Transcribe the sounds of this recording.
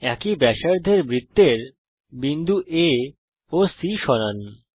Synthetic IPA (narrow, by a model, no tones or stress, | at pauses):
ɛkibɛʃaɾd̪ʱeɾbɾit̪ːeɾ | bind̪ʱuʔe | osiʃɔnan